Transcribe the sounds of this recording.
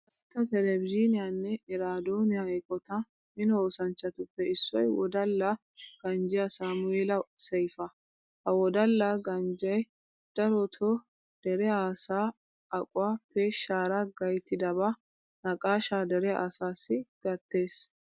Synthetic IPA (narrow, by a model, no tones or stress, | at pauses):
ɐt̪ːɐt̪ɛlɛvɪd͡ʒɪnɪjanːɛɛɾaːd̪oːnɪjaɛkʼːɔt̪ɐ | mɪnɔoːsɐnt͡ʃːɐt̪ʊpːɛɪsːɔjwɔ̰d̪ɐlːa | ɡ̥ɐnd͡ʒɪjɐsaːmʊeːlɐsɛjfɐ | hɐwɔd̪ɐlːaɡɐnd͡ʒɐj | d̪̥ɐɾɔt̪ʰɔ | d̪̥ɛɾɛaːsaː | ɐkʼʊwaːpeːʃaːɾaɡɐjt̪ːɪd̪ɐba | nɐkʼaːʃaːd̪ɛɾɛa̰ːsaːsːɪɡ̥ɐt̪ːe̞ːs